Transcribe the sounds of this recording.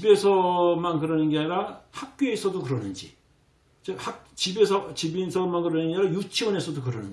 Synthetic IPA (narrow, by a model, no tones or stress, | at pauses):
ibe̞sʰʌmankɯɾʌnɯnɡeaɲiɾahak̚k͈oesʰʌdokɯɾʌnɯnd͡ʑi | t͡ɕahakt͡ɕibesʰʌt͡ɕibisʰʌmankɯɾʌnɯnɡeiɾajut͡ɕʰiwʌne̞sʰʌdokɯɾʌnɯ̰ni